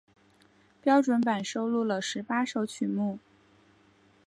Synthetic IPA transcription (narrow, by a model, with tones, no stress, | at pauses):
pjɑ˥ʊʈ͡ʂwə˧˥npa˨˩nʂo˥ʊlu˥˩lə˨˩ʂɻ̩˧˥pa˥ʂo˧˥ʊt͡ɕʰy˨˩mu˥˩